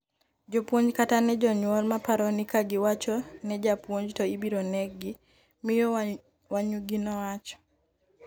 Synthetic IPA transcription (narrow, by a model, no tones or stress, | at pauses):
d͡ʒɔpwoɲd͡ʒkatanɛd͡ʒɔɲwɔlmapaɾɔnɪkaɡɪwat͡ʃɔnɛd͡ʒapwoɲd͡ʒtɔibiɾɔnɛɡɪ | mɪjɔ | waɲuɡinɔat͡ʃɔ̥